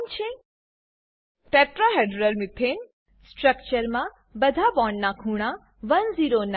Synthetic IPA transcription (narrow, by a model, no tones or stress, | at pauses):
nt͡ʃʰe | ʈeʈɾaɦeɖɾəlmɪt̪ʰen | sʈɾəkt͡ʃəɾmã | bəd̪ʱabɔɳnakʰũɽ̃a | ʋənziɾon